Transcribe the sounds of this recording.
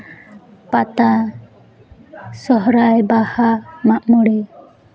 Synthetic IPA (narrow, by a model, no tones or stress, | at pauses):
pat̪a | sɔɦɾajbahamaʔmɔɽi